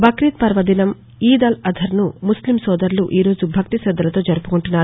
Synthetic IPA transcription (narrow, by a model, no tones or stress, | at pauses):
bʱɐkɾit̪̚pɐɾʋɐd̪inɐm | iːd̪ɐlɐd̪ʱɐɾnumuslimsɔːd̪ɐɾluʔiːɾo̞ːd͡ʒubʱɐkt̪isɾɐd̪ːɐlɐt̪o̞ːd͡ʒɐɾupukuɳʈunːaːɾ